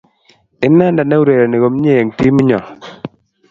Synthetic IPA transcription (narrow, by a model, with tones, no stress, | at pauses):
ɪ˦nːa˦nda˨nɛ˦u˦ɾe˨ɾe˨nɪ˨ɣo˨m˦ɲe˦˨ŋti˦mi˦ɲɔ˨